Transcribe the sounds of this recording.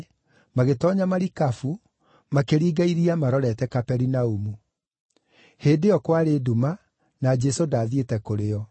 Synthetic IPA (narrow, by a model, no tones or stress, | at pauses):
maɣetɔɲamaɾikafu | makeɾiːɡaiɾiamaɾɔɾɛtɛkapɛɾinaumu | heːdeɔkwaɾeːdoma | nad͡ʒɛsodaːðietɛkoɾeɔ